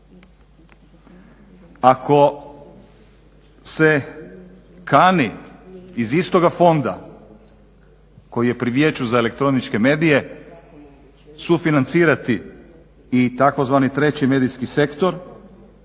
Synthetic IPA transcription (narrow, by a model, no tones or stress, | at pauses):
akʰo̞ | se̞ | kaːniː | zist̪o̞ɡafo̞nd̪a̰ | ko̞jije̞pɾiʋje̞t͡ɕuzae̞le̞k̚t̪ɾo̞nit͡ʃke̞me̞ːd̪ije̞ | sufinant̪siːɾat̪iː | t̪ako̞zʋaːnit̪ɾe̞t͡ɕime̞ːd̪iskise̞kt̪o̞ɾ